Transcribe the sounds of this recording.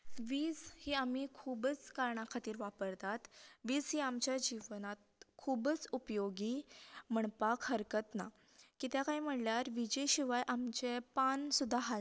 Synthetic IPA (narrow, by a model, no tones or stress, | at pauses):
ʋiːd͡zhiːamikʰubət͡skaɾɳakʰat̪iːɾʋapəɾt̪at̪ʋiːd͡zɦiːamt͡ɕjad͡ʑiʋnat̪̚kʰubət͡supjoɡim̤əɳpakhəɾkət̪na̰ | kit̪jakaim̤əɽljaɾʋid͡ʑeɕiʋajʔamt͡ɕepansud̪ʱːaɦa